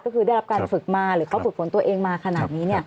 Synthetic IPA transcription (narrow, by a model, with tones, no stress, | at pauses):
kɔ˥˩kʰɯː˧da˥˩jɾa˦˥pkaː˧nfɯ˨˩k̚maː˧ɾɯː˩˦kʰa˦˥fɯ˨˩k̚fʰo˩˦nt̪u˧ɐʔeː˧ŋmaː˧kʰa˧naː˨˩t̪̚niː˦˥ni˥˩ɐ